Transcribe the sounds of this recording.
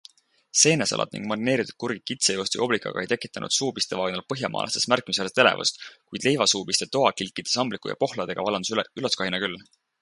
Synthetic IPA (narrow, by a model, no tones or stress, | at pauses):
se̞ːnesɑ̰lɑ̰d̪nḭŋɡ̥mɑrine̞ːɾit̪ːud̪̥̚kurɡikit̪sejoːst̪ḭʔo̞blikːˑɑ̰ɡ̥ɑ̰e̞jt̪e̞kːˑi̥t̪ːˑɑnʔṵd̪̥suːb̥ist̪e̞vɑːɡnɑlpɤɦjɑmʔɑ̰ːlʔɑ̰st̪esmærkːˑimis̬elet̪e̞le̞̰vṵst̪kujd̪le̞jvɑsuːbist̪e̞t̪o̞ɑkilkˑːid̪̥esɑmblikːˑujɑ̰po̞hlɑd̪̥e̞ɡ̥ɑvɑlɑnd̪usyloskɑhinɑkylː